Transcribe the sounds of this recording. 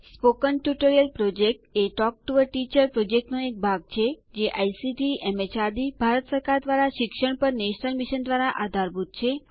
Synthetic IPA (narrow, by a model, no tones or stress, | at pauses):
spokənʈjuʈoɾijəlpɾɔd͡ʒek̚ʈeʈɔk̚ʈuʋəɾʈit͡ʃəɾpɾɔd͡ʒek̚ʈnoek̚bʱaɡ̚t͡ʃʰed͡ʒeʔajsiʈiɛmet͡ʃad̪ibʱaɾət̪səɾkaɾd̪ʋaɾaʃɪkʃəɳ̃pəɾneʃnəlmiʃənd̪ʋaɾaʔad̪ʱaɾbʱut̪̚t͡ʃʰe